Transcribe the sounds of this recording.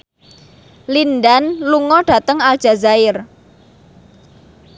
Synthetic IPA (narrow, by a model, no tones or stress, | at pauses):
lindanluŋɔɖ̥ä̤t̪əŋald̥ʒ̥a̤zaɪr